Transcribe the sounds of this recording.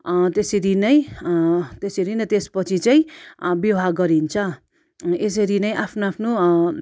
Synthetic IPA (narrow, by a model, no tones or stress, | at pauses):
t̪esʌɾinʌj | t̪esʌɾinʌt̪espʌt͡sʰit͡saj̃bjʌwɦaɡʌɾint͡sʰʌ | es̬ʌɾinʌjʔapʰnoapʰno